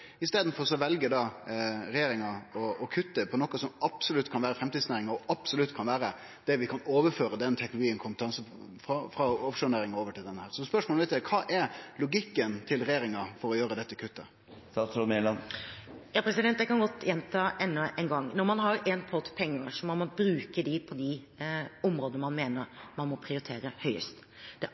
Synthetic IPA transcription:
ɪst̪eːd̪n̩fɔɾɔsɔʋɛlɡəd̪ɑɾɛjeːɾɪŋɑɔɔkʰʉt̪ːəpʰɔnɔkːəsɔmɑpsʊlʉt̪ːkʰɑnʋæːɾəfɾɛmt̪iːd̪snæːɾɪŋɑɔʔɑpsɔlʉt̪ːkʰɑnʋæːɾə | d̪̥ɛʋɪkʰɑnoːʋəɾføːɾəd̪ɛnt̪ʰɛknlʊɡiːənkʰʊmpət̪ɑnsə | fɾɑfɾɑɔpʂʊnæːɾɪŋɑoːʋəʈʰɪld̪ɛnːəhæːɾsɔspœʂmolʋɛɪt̪ɛkʰɑːʔɛɾlʊɡɪkːənt̪ʰɪlɾɛjeːɾɪŋɑfɔɾɔjøːɾəd̪ɛt̪ːəkʰʉt̪ːə | st̪ɑːt̪sɾɔmelɑnjɑːpʰɾɛsɪd̪ɛnt̪ːjæɪkɑnɡɔt̪ːjɛnt̪ʰɑːʔɛnːɔʔɛnɡɑŋːnɔɾmɑnɦɑɾɛnpʰɔt̪pʰɛŋːəɾʂɔmɔmɔbɾʉːkəd̪ɪpʰɔd̪ɪ | ɔmɾoːd̪nəmɑnmeːnəɾmɑnmɔpʰɾɪʊɾɪt̪ʰeːɾəhœʏə̰st̪ | d̪̥ɛ

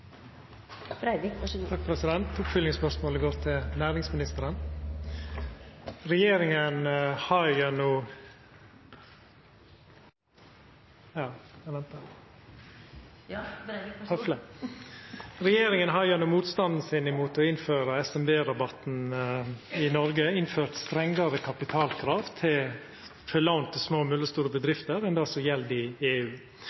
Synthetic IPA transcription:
t̪ʰɑk̚pʰɾɛsɪd̪ɛnt̪ʊpfʏlɪŋəspœɾʂmoːləɡoːɾt̪ʰɪlnæːɾɪŋsmɪnɪst̪əɾən | ɾɛjeːɾɪŋənhɑɾjɑnuː | jɑːɛʋɛnt̪ə | flə | ɾɛjeːɾɪŋənɦɑɾjɑnʊːmuːt̪st̪ɑnd̪n̩sɪnɪmuːt̪ɔɪnføːɾəɛsɛmbeːɾɑbɑt̪n̩ | ɪnɔɾɡəɪnføːɾt̪st̪ɾɛŋɡɑɾəkʰɑpɪt̪ʰɑːlkʰɾɑːʋt̪ʰɪl | fœlɑʊnt̪ʰɪsmoːmʉlːəst̪uːɾəbəd̪ɾɪft̪əɾɛnd̪ɛɔsɔjɛld̪ɪeːʉː

